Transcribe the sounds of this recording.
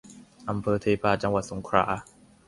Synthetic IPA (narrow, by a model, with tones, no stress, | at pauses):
ʔa˧˩mpʰɤː˧t̪ʰeː˧paː˧˩t͡ɕa˧ŋwa˨˩t̪̚so˩˦ŋkʰɾa̰ː˧˥